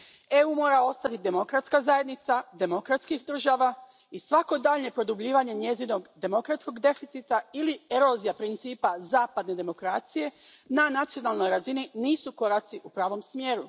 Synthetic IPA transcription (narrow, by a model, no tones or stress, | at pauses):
e̞uːmo̞ːɾao̞st̪at̪id̪e̞mo̞kɾat̪skazaje̞d̪nit̪sad̪e̞mo̞kɾat̪skixd̪r̩ʒaʋa | isʋako̞d̪aːʎɲe̞pɾo̞d̪ubʎiːʋaɲe̞ɲe̞zino̞ɡd̪e̞mo̞kɾat̪sko̞ɡd̪e̞fit̪sit̪ailieɾo̞zijapɾint̪siːpazaːpad̪ne̞d̪e̞mo̞kɾaːt̪sije̞nanat̪sio̞nalˠno̞jɾazininiːsuko̞ɾat̪siʔupɾaːʋo̞msmje̞ːɾu